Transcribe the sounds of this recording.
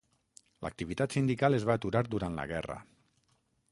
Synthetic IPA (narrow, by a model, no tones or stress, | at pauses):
lʔə̰k̚t̪iβit̪at̪sind̪ikalˠezβaːt̪uɾaɾd̪uɾant̪lə̰ɣɛrə̰